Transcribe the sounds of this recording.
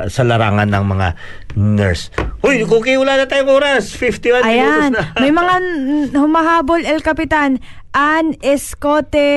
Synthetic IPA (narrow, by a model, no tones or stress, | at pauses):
sɐlɐɾaːŋɐnːɐŋmɐŋa̰nɛɹsʔojkokiwulaːnɐt̪aːjoŋoːɾasfift̪iwanɐjanmɐjmɐŋahʊmɐɦaːbolɛlkɐpɪt̪an | ʔɐŋʔɛskoːt̪ɛ